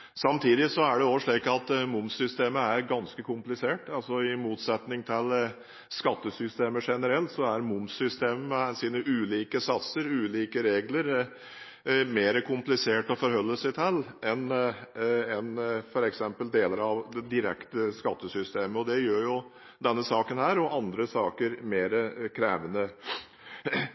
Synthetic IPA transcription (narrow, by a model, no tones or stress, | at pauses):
sɑmt̪ʰiːd̪ɪsɔæɖɛoːʋəʂɭiːkɑt̪mʊmsʏst̪eːməæɾɡɑnskəkʰʊmplɪseːʈɑlsɔɪmuːt̪sɛt̪nɪŋt̪ʰɪl | skɑt̪ːəsʏst̪eːməʂɛnəɾɛlt̪sɔæɾmʊmsʏst̪eːmmɛsiːnəʔʉːliːkəsɑt̪səɾʉːliːkəɾeːɡləɾ | meːɾəkʰʊmplɪseːʈɔfɔɾhœlːəsɛt̪ʰɛlːɛn | ɛnfɔɾɛksɛmpəld̪eːləɾɑʋd̪ɛd̪ɪɾɛ̰kt̪əskɑt̪ːəsʏst̪eːməɔd̪ɛjøːɾjʊ | d̪ɛnːəsɑːkənhæːɾɔʔɑnd̪ɾəsɑːkəɾmeːɾəkʰɾeːʋənə